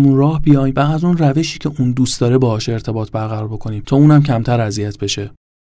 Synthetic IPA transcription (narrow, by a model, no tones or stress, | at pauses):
munrɒːhbijɒːjmbææzuːnræve̞ʃiːcʰe̞ʔund̪uːst̪d̪ɒːɾebɒɒːʃe̞ɾt̪ʰe̞bɒːt̪̚ʰbæɾɣæɾɒːɾbo̞kʰo̞niːmt̪ʰɒːuːnæmcʰæmt̪ʰæɾæzijæt̪̚ʰbe̞ʃe̞